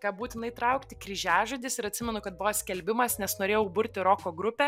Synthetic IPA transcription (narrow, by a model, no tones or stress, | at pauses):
kɑːpbuːt̪ʲɪnɐɪt̪ɾɐʊkt̪ʲɪkɾʲɪʒʲæːʒod̪ʲɪsɪɾɐt̪ʲsʲɪmʲɛnʊkɐt̪̚bʊʋoːsʲkʲɛlʲbʲɪmɐsnʲɛsnoːɾʲeːjɛʊbʊɾʲt̪ʲɪɾoːkoːɡɾʊpʲɛ